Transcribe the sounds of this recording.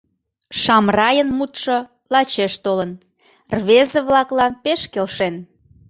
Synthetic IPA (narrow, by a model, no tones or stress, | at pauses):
ʃɑmrɑjənmut̪ʃŏ | lɑt͡ɕeʃt̪olən | rβezəβlɑklɑnpeʃkelʃen